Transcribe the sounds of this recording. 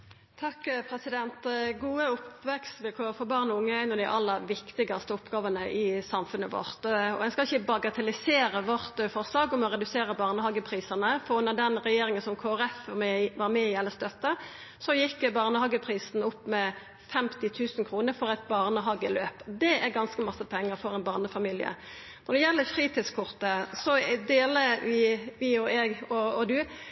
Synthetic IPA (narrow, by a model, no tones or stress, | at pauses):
t̪ʰɑkːpʰɾɛsɪd̪ɛnt̪ɡuːəʊpʋɛkst̪ʋelkʰoːɾəfɔɾbɑːʁnɔʊŋːəæɪnɔd̪ɪʔɑlːəʋɪkt̪ɪɡɑst̪əʊpɡɑːʋənəʔɪsɑmfʉnːəʋɔ̰ʁt̪ɔ̰ɛnskɑlɪçəbɑɡɑt̪ʰɛlɪseːɾəʋɔʁt̪fɔʁslɑːɡɔmɔʁɛd̪ʉseːɾəbɑːʁnəhɑɡəpʰɾiːsənəfɔnɔd̪ɛnɾɛjeːɾɪŋənsɔmkʰoːæʁɛfʋɑːʁmɛɪɛlːəst̪œt̪ːə | sɔjɪkːbɑʁnəhɑːɡəpʰʁiːsn̩ʊpːmɛ | fɛmt̪ɪt̪ʰʉːsnkʰɾuːnəɾfɔʁɛt̪̚bɑːʁnəɦɑɡəløːpd̪ɛæʁɡɑnskəmɑsːəpʰɛŋːəɾfɔʁɛnbɑʁnəfɑmiːlɪə̰ | nɔʁd̪ɛjɛlːəfɾiːt̪ɪskʰʊʁt̪əsɔd̪eːləʋɪʋɪɔɛɡɔɔd̪ʉ